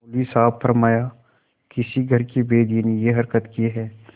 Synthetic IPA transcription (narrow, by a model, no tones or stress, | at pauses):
pʊliːsaːpfɐɾmaːja | kɪsiɡʱɐɾkebeːd̪inejeɦɐɾkət̪kieɦɛː